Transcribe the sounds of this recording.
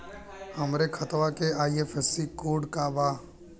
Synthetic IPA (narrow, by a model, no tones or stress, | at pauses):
həmɾekʰət̪ʋakeaːiefʰɛsikoːɖkaːbaː